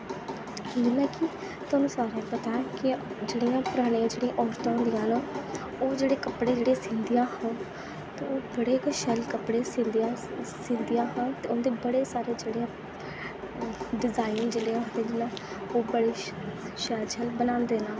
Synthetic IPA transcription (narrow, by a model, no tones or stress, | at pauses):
d͡ʒɪlãːkɪ | t̪ʊõːnũːsaːɾãːpət̪aːɛkɪd͡ʒeːɽijãːpʊɾaːɽ̃ĩãːd͡ʒeːɽiãʔɔːɾt̪ãːd̪ijãːnãː | oːd͡ʒeːɽeːkəpɽeːd͡ʒeːɽeːsĩnd̪ijãːhə̃ːn | t̪eːoːbəɽeːkʃɛlkəpɽeːsĩnd̪ãsĩːnd̪ijãːɦãːt̪eːond̪eːbəɽeːsaːɾeːd͡ʒeːɽejãː | ɖɪzaːind͡ʒeːɽeããːd̪eːd͡ʒɪnãː | oːbəɽeːʃɛlt͡ʃʰɛlbənãːnd̪eːnaːl